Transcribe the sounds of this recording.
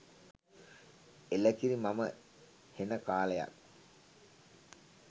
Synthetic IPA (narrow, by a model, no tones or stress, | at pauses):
elækiɾimamə̰ | henəkaːləja̰k